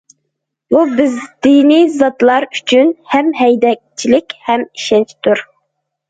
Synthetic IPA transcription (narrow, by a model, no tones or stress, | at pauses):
bubɪzd̪̥inijzɑt̪lˠɑɾy̥t͡ʃʰynhɛmɦɛjd̪ɛk̚ʲt͡ʃʰilɪkʲhɛmiʃɛnt͡ʃʰt̪ʰuɾ